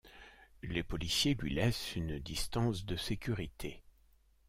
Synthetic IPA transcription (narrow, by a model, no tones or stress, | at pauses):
lepɔlisjelɥḭlɛsynd̪ist̪ɑ̃sd̪əsekʲyʁit̪ʰe